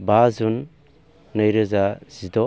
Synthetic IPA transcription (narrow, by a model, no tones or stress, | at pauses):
bazunː | əjɾɯzaz̥idɔ